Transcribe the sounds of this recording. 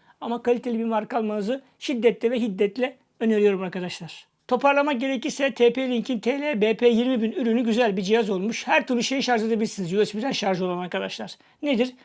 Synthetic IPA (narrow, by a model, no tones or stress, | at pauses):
amakʰalʲit̪ʰe̞lʲibimaɾkalˠmanɯzɯ | ʃid̪ːɛt̪lʲɛvɛɦid̪ːɛt̪lʲɛ | øneɾijo̞ɾumaɾkʰad̪aʃlˠaɾ̥ | t̪ʰo̞pʰaɾlˠamak̚ɟe̞ɾecisɛt̪ʰeːpelʲiɲcʰint̪ʰelʲeːbeːpʰejiɾmibinyɾynyɟyzælʲbid͡ʒijazo̞lˠmuʃhæɾt̪ʰyɾluʃejiʃaɾʒlˠad̪abilʲɾsinizjylˠɛsbiɾd̪ænʃaɾʒo̞lˠanaɾkʰad̪aʃlˠaɾ̥ | ned̪iɾ̥